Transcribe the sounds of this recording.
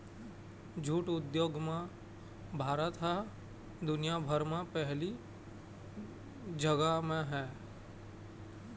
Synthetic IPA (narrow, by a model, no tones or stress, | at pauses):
d͡ʒʱuːʈʊd̪joːɡmẽ | bʱaːɾət̪ɦɛ | d̪ʊnijabʱəɾmẽpɛɦli | d͡ʒəɡamẽɦɛː